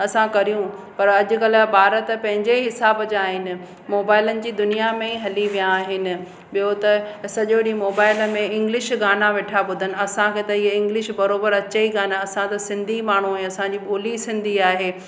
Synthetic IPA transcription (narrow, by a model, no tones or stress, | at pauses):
ɐsãkɐɾijũpɐɾɐʄʊ̆kɐlbaːɾət̪̆pɐ̃ɦɪ̃ɲd͡ʑeɦɪsaːbd͡ʑaːɦɪnɪ̆ | moːbaːɪlənɪ̆d͡ʑiːd̪ʊnijamẽiɦɐliʋijãːɦɪnɪ̆ | ɓijot̪ɐsɐʄoɗimoːbaːɪlmẽɪ̃ŋɡlɪʃɡaːnaʋeːʈʰabʊd̪ʱənɪ̆ɐsãkʰeːt̪ɐiɦɪ̃ŋɡlɪʃbɐɾoːbəɾɐt͡ɕəiɡaːnaɐsãt̪ɐsɪ̃nd̪ʱimaːɳ̤uɛ̃ɐsãd͡ʑiːɓoːlisɪ̃nd̪ʱiaːɦeː